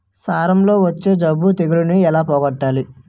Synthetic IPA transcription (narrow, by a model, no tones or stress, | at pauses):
saːɾɐmlo̞ːʋɐt͡ʃːe̞ːd͡ʒɐbːut̪eɡiɾuniɛlaːpɔːɡɐʈːaːli